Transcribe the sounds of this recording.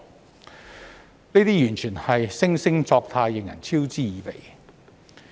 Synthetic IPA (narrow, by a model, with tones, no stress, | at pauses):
ne˥t̪iː˥jyː˨˩nt͡ʃʰyː˨˩nhɐ˨jsɪ˥ŋsɪ˥ŋt͡sɔː˧k̚t̪ʰaː˧jːɪ˨˩ŋjɐ̰˨˩nt͡sʰiː˥wt͡siː˥jiː˨˩pḛ˨˩j